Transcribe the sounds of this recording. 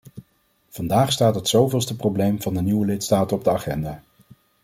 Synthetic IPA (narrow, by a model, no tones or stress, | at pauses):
v̥ɑndaːχstaːtɦətsowvɪːlˠstəprowblejmvɑndəniwəlɪtstaːtənɔb̚dəaχɛndaː